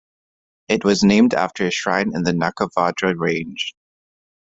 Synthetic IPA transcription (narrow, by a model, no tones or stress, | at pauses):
ɨt̚wʌznẽɪ̃mdæ̰ftʰə˞ɨʃɹã̰ɪ̃nɨ̰̃nðɨnʌkəvɑdɹɨɹẽɪ̃nʒ̥